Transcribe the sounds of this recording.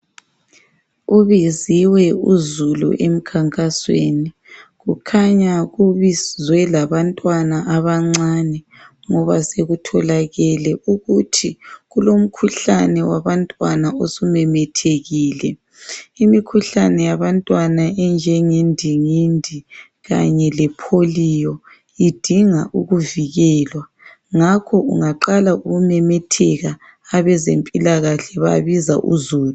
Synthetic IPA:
uβiziwɛuzulṵʔem̩kʰaŋkʼaswḛni | ɣukʰaɲaɣuβizwɛlaβantʼwanaʔaβaŋ͡ǀanɛ | ŋɔβaseɣutʰɔlaɣɛlɛʔuɣutʰiɣulom̩kʰuɬanɛwaβantʼwanaosumɛmɛtʰeɣiːlɛ | imikʰuɬanɛjaβantʼwanaɛnd͡ʒʱɛŋendʱiŋindʱi | ɣa̰ɲɛlɛpʰolijɔ | id̥ʱiŋaʔuɣuviɣɛːlwa | ŋakʰɔṵŋaǃalaʔuɣumɛmɛtʰɛɣa | aβɛzempʼilaɣaɬɛβa̰βiza̰ʔṵzuːlu

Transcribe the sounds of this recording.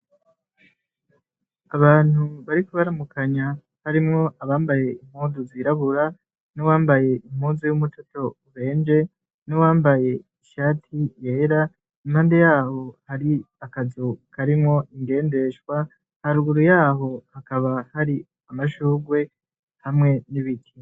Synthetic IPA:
aβaːn̥huβaɾikuβaɾamukʰaɲa | haɾimŋo̞ʔaβaːmbaje̞im̥huːzuziɾaβuɾa | nowaːmbaje̞im̥huːnzujumutoto̞uβe̞ːnd͡ʒe̞ | nowaːmbaje̞iʃaːtʰije̞ːɾa | imhaːnde̞jaːho̞haɾi | akazukʰaɾimŋo̞ʔiŋɡe̞ːnde̞ʃwa | haɾuɡuɾujaːɦo̞hakaβahaɾi | amaʃuːɡwe̞ | hamŋe̞niβikʰi

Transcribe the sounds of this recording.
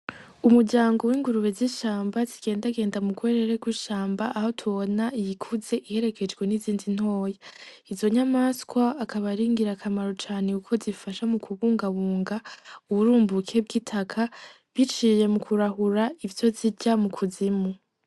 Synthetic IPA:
umuɾɟaːŋɡo̞wiːŋɡuɾuβeziʃaːmbaziɡ̥e̞ːndaɡe̞ːndamuɡweɾeɾeɡwiʃaːmbaʔːho̞tʰuβo̞naijikʰuze̞ʔihe̞ɾe̞kʰe̞d͡ʒɡwe̞niziːndin̥ho̞ːja | izo̞ɲamaskwaːkaβaɾiːŋɡiɾakʰamaɾot͡ʃaːne̞ukʰo̞zifaʃamukʰuβuːŋɡaβuːŋɡauβuɾuːmbukʰe̞bɡiːtʰakʰa | βit͡ʃije̞mukʰuɾaɦuɾaivjo̞ziɟamukʰuzimu

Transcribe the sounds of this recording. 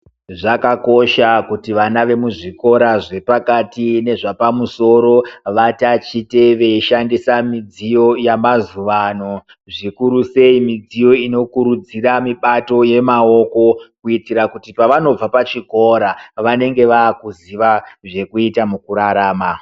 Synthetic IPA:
ʐakako̞ʃakutiʋanaʋe̞muʐiko̞ɾaʐe̞pakatine̞ʐapamuso̞ɾo̞ʋatat͡ʃite̞ʋe̞iʃandisamid͡zijo̞jamazuʋano̞ | ʐikuɾuse̞imid͡zijo̞ino̞kuɾud͡ziramiɓato̞je̞mao̞ko̞kuitiɾakutipaʋano̞b͡vapat͡ʃiko̞ɾaʋane̞ŋɡe̞ʋaːkuziʋaʐe̞kuitamukuɾaɾaːma

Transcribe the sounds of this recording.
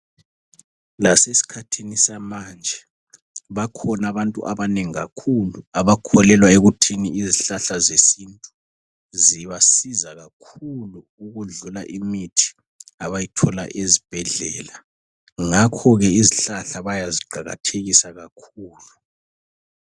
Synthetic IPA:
lasesi̥kʰatʰinisamand͡ʒʱɛ | βakʰɔnaβantʼṵʔaβaneŋiɣa̰kʰuluaβakʰɔlɛlwaeɣutʰiniiziɬaɬazesintʼu | ziβasizaɣakʰulu | uɣuɮulaʔimitʰi̥ | aβajitʰɔla̰ʔezib̥ʱɛɮɛ̰ːla | ŋakʰɔɣɛiziɬaɬaβajaziɡ͡ǃʱaɣa̰tʰeɣisaɣakʰuːlu

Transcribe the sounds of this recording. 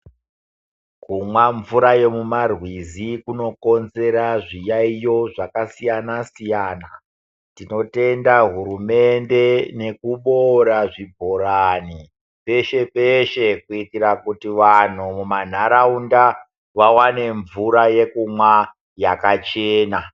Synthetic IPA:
kumwaɱvuɾaje̞mumarwizikuno̞ko̞nze̞ɾaʐijaijo̞ʐakasijanasijaːna | tino̞te̞ndaɦuɾume̞nde̞ne̞kuɓoɾaʐibʱo̞ɾani | pe̞ʃe̞peʃe̞kuitirakutiʋan̤umuman̤aɾaunda | ʋawane̞ɱvuɾaje̞kumwa | jakat͡ʃeːna

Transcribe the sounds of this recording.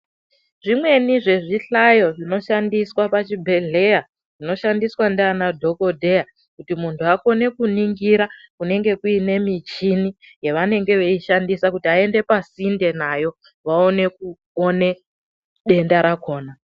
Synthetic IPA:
ʐimwe̞niʐe̞ʐiɬajo̞ʐino̞ʃandiswapat͡ʃibʱe̞ɮe̞ja | ʐ̥ino̞ʃandiswandeanadʱo̞ko̞dʱe̞ja | kutimuntʰuako̞ne̞kuniŋɡiɾakune̞ŋɡe̞kuine̞mit͡ʃini | jeʋane̞ŋɡe̞ʋeiʃandisakutiae̞nde̞pasinde̞najo̞ | ʋaone̞k̚u | one̞ | ɗe̞ndaɾako̞ːna

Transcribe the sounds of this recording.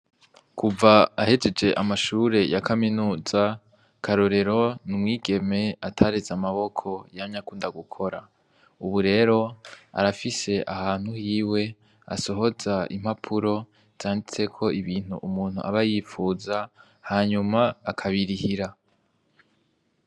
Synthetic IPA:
kʰuvaahe̞d͡ʒe̞d͡ʒe̞ʔamaʃuːɾe̞jakʰaminuːza | kʰaɾoɾe̞ɾo̞numŋiːɡe̞me̞atʰaɾezamaβo̞kʰo̞jamɲakuːndaɡukʰo̞ɾa | uβuɾe̞ːɾo̞a̰ɾafise̞ʔahaːn̥huhiːwe̞ | a̰so̞ɦo̞zaḭm̥hapʰuɾo̞ | z̥aːndit͡se̞kʰo̞ʔiβiːn̥hṵʔumuːn̥hṵʔa̰βajifuːza | haɲumaːkʰaβiɾihiɾa

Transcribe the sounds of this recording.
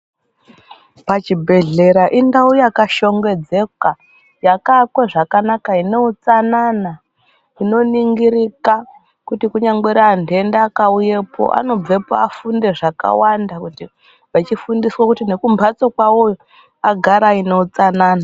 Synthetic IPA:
pat͡ʃibʱe̞ɮe̞ɾaʔindaujakaʃo̞ŋɡe̞d͡ze̞ka | jakakweʐakanakaine̞ut͡sanana | ino̞niŋɡiɾika | kutikuɲaŋɡweɾaːnde̞ndeakauje̞pʰo̰ʔa̰no̞b͡ve̞po̰afunde̞ʐaka̰wandakuti | ʋat͡ʃifundiswakutine̞kumbʱat͡sokwawo | aɡʱaɾaine̞ut͡sanaːna

